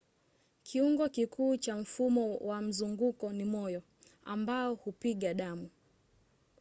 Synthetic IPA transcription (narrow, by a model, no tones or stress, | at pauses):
kʰiuŋɡɔkikʰuːt͡ʃam̩fumɔwam̩zuŋɡukɔnimɔjɔ | a̰mbaɔhupiɠaɗamu